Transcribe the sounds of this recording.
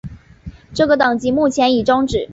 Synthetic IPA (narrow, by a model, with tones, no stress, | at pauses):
ʈ͡ʂɤ˥˩ɡə˩t̪ɑ˨˩ŋt͡ɕi˧˥mu˥˩t͡ɕʰjɛ˧˥ni˨˩ʈ͡ʂɑ˥ŋʈ͡ʂɻ̩˨˩˦